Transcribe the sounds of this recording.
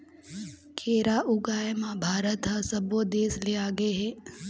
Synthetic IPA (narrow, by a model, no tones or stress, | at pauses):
kʰeːɾaʔʊɡaːjmãbʱaːɾət̪ɦasɐboːd̪eːsleaːɡeɦeː